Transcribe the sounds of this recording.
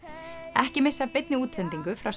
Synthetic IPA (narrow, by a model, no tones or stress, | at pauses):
ɛhcɪmɪsːapɪt̪̚nɪuːt̪ʰɛnt̪iŋkʏfɾaws